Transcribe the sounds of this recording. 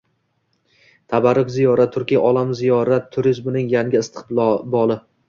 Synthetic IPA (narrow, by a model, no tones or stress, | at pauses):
t̪ʰabaɾʊkʲzijɒɾat̪ʰːʊɾkʲijʔɒlˠamzijɒɾat̪ʰːʊɾɪzbʊnɪŋjaŋɡʲɪɪst̪ʰɨ̥qˠbɒlˠɪ